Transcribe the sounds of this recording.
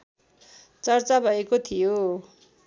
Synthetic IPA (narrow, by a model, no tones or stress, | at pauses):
t͡sʌrt͡sabʱʌekot̪ʰijo